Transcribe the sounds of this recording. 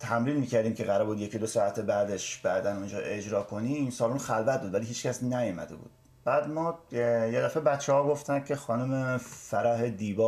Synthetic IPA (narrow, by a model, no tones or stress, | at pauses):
t̪ʰæmɾiːnmiːcʰæɾd̪iːmcʰeɣæɾɒbud̪jecʰid̪osɒːæt̪ʰebæd̪eʃb̥æd̪ænund͡ʒɒːʔe̞d͡ʒɾɒːkʰo̞niːnsɒːlunxælvæt̪̚buːd̪væliːɦiːt͡ʃcæsnæjɔmæ̰d̪ḛbṵːd̪̥ | b̥æːd̪mɒːjed̪æfebæt̪t͡ʃʰːehɒːɡo̞ft̪æn̥cʰe̞xɒːnumefæɾæɦed̪iːbɒː